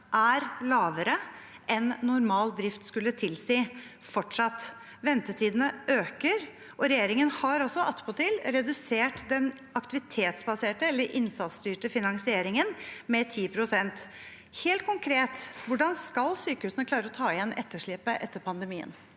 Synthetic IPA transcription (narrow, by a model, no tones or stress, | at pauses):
ʔæɾlɑːʋəɾəʔɛnːʊɾmɑːld̪ɾɪft̪skʉlːət̪ʰɪlsiː | fɔʈʂɑt̪ː | ʋɛnt̪ət̪ʰiːd̪ənəʔøːkəɾ | ʔɔɾɛjeːɾɪŋənhɑɾɔsɔɑt̪ːpʰɔt̪ʰɪlɾɛd̪ʉseːʈd̪ɛn | ɑkt̪ɪʋɪt̪ʰeːt̪sbɑseːʈəɛlːəɾʔɪnsɑt̪st̪yːʈəfɪnɑŋsɪeːɾɪŋənmɛt̪ʰiːpʰɾʊsɛnt̪ | heːlt̪̚kʰʊŋkʰɾeːt̪ʋʊɖɑnskɑlsyːkəhʉːsənəkʰlɑːɾəɔt̪ʰɑːɪjɛnʔɛt̪ːəʂɭɪpːəʔɛt̪ːəɾpʰɑnd̪əmiːə̰n